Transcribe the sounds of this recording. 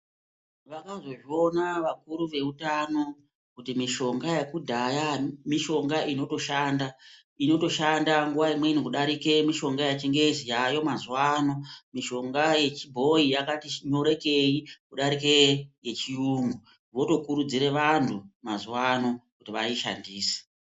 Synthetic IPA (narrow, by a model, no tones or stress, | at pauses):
ʋakazo̞ʐio̞naʋakuɾuʋe̞utano̞ | kutimiʃo̞ŋɡajekudʱajamiʃo̞ŋɡaʔino̞to̞ʃanda | ino̞to̞ʃandaŋɡuʋaimwe̞inikuɗaɾike̞miʃo̞ŋɡajat͡ʃiŋɡezijajo̞mazuwano̞miʃo̞ŋɡaje̞t͡ʃibʱo̞ijakatiɲo̞ɾe̞ke̞jikuɗaɾikeje̞t͡ʃijuːŋɡu | ʋo̞to̞kuɾud͡ziɾe̞ʋantʰumazuwano̞kutiʋa̰iʃa̰ndiːse̥